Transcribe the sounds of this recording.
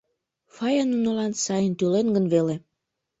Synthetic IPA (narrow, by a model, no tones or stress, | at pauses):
fɑjɑnunəlɑnsɑjənt̪ylenɡənβele